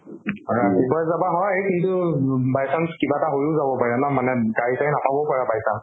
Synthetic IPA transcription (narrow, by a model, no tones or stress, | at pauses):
ɔɹaibɔjzabaɦɔjekintʊbajsanskibataɦojʊzabɔpaɹɛnamanɛɡaisajnapʰabɔpaɹabajsan